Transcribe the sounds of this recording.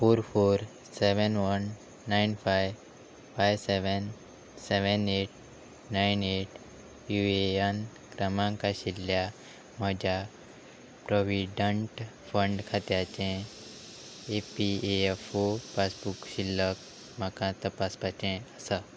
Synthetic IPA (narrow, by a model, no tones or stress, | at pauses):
foɾfoɾ | seʋənʋənː | ajnfajʋ | fajʋseʋən | seʋəneʈ̚ | najneʈ | jueən | kɾəmãŋkaɕilːja | məd͡ʑʱja | pɾoʋiɖəɳʈfəɳɖkʰat̪jat͡ɕẽ | epieefopasbukɕilːək | məkãt̪əpaspat͡ɕẽəsa